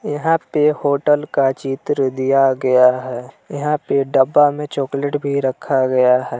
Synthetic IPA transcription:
jɐɦãpehoːʈəlkat͡ʃiːt̪ɾəd̪ijaɡɐjaɦɛːjɐɦãpeɖəbːamẽt͡ʃoːkleʈbʱiɾɐkʰaɡɐjaɦɛː

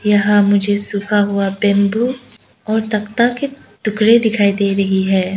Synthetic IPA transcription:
jɐɦãmʊd͡ʒʱesʊkʰaɦʊabɛ̃ːmbu | ɔːɾt̪ɐkt̪ake | t̪ʊkɾed̪ɪkʰaːid̪eːɾɐɦiɦɛː

